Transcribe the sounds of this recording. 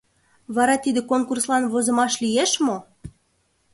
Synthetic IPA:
βɑɾɑt̪id̪ĕkonkurslɑnβozɤ̆mɑʃlijeʃmo

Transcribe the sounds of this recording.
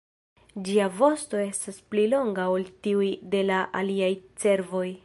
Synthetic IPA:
d͡ʒiavo̞sto̞e̞stasplilo̞ŋɡaoltiujde̞laʔaliajt͡se̞ɾvo̞j

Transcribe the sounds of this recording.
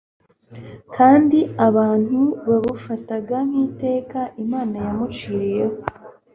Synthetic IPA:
kaːndiaβaːn̥huβaβufataɡaŋ̥iːte̞ːkaʔimaːnajamut͡ʃiːɾejeho

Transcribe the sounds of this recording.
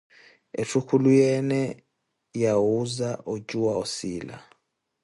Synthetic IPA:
etʰukʰulujɛnɛ | jawuzaʔod͡ʒuwaosiːla̰

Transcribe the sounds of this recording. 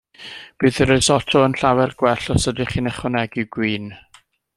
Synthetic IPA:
b̥ɨːðəɾəsɔtʰɔənɬawɛrɡ̥wɛɬɔsədiχiːnɛχwɔnɛɡɪɡwiːn

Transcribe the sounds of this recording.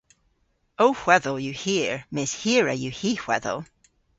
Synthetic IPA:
oʊhw̥ɛðəlˠjəhiɹmɪshiɹəjəhihw̥ɛ̰ðə̰lˠ

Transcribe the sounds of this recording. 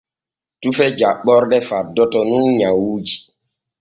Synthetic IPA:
tufɛd͡ʒaɓːɔɾɗɛfadɔtɔnunɲawud͡ʒi

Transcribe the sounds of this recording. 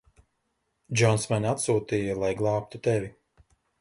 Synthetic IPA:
d͡ʒɔnsmanʲat̪suːt̪iːjɐlˠajɡlˠɑːp̚t̪ut̪ɛvi

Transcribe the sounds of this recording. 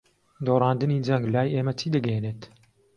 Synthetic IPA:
d̪oːɾɑːnd̪ɨniːd͡ʒɛŋɡlaːjeːmɛt͡ʃʰiːd̪ɨɡɛneːt̪

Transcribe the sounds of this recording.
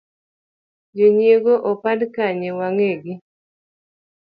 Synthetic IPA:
d͡ʒeɲjeɡoʔopadkaɲewaŋeɡi

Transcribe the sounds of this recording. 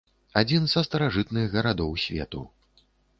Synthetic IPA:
ad͡zʲinzɐst̪ɐɾaʐɨt̪nɨɣɣɐɾad̪ɔwsʲvʲɛ̰t̪u

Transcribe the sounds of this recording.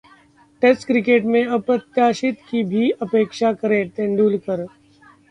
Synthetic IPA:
ʈesʈkɾɪkeːʈmẽɐpɾət̪jaːʃɪt̪kibʱiɐpeːkʃakɐɾẽʈ̪ẽːɳɖuːlkəɾ

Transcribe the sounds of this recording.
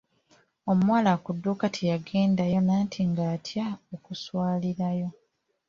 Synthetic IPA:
o̞muwaːlakudːukatʰijaɡe̞ːndajo̞naːntʰiŋɡaːtʰjaokuswaːliɾajo̞

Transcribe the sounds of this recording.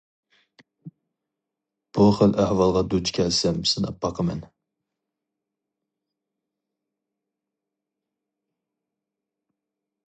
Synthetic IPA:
b̥uχəlʔæhwɑlˠʁɑd̪ut͡ʃʰkʲʰɛlsɛmsɨnɨ̰pʰːɑqʰəmɛn

